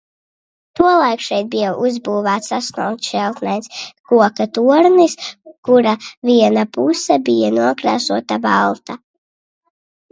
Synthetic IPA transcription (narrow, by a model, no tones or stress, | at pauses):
t̪uɔlˠajkʃɛjt̪̚bijawʔuzbuːvaːt̪sasnṵːkt̪ʃɛlˠt̪nɛjnskuɔkat̪uɔɾniskuɾaviɛnapusɛbijanuɔkɾaːsuɔt̪abalˠt̪a